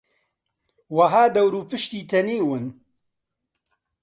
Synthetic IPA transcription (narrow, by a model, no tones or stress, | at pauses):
wɐɦaːd̪ɐwɾuːpɨʃt̪iːt̪ʰɐneːwɨn